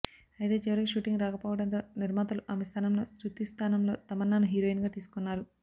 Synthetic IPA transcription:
ɐjt̪e̞ːt͡ʃɛʋɐɾɐkeʃuːʈiŋɡɾaːkɐpoːʋɐɽɐnt̪o̞ːniɾmaːt̪ɐluʔɐmɐst̪ʰaːnɐmlo̞̰ːsɾut̪ist̪ʰaːnɐmlo̞ːt̪ɐmɐnːanuɦiːɾoːjinɡaːt̪iːsu̥kunːaːɾu

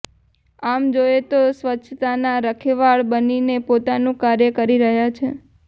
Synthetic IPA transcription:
amd͡ʒoet̪osʋətːʃʰt̪anaɾəkʰeʋaɭbəninepot̪anũkaɾjəkəɾiɾəɦjat͡ʃʰe

